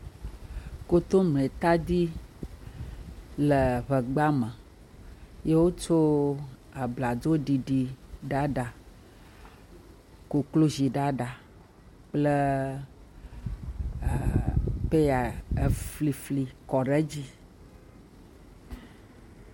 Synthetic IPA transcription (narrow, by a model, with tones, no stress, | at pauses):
ko˦t̪o˦mẽ˨t̪a˦d̪i˦ | lə˨βə˨ɡ͡ba˦mə̃˨ | je˦wo˦t͡ʃo˦ | a˨bla˨d̪o˦ɖi˨ɖi˨ɖa˦ɖa˨ | ko˨klo˦zi˨ɖa˦ɖa˨ | k͡ple˦˨ | pe˦ja˨e˨fli˨fli˨kɔ˨ɖə˦d͡ʑi˦